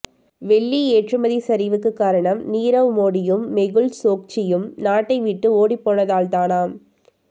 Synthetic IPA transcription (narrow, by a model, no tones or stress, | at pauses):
ʋɛɭːieːʈrɯmɐðisɐɾiːʋɯkːɯkːaːɾɐɳɐmniːɾɐʋmoːɽɪjɯmːɛɣɯɭsoːk̚t͡ʃɪjɯmnaːʈːɐɪʋiʈːɯoːɽipːoːnɐðaːlt̪aːnaːm